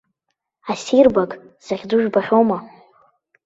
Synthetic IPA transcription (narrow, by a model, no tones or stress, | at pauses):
asirbakʼ | z̥aʁʲd͡zuʒᶣbaχʲoma